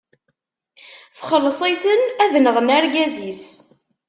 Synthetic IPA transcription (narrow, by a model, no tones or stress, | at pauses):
θχəlːəsˤiθənæðnəʁənæɾɡæzis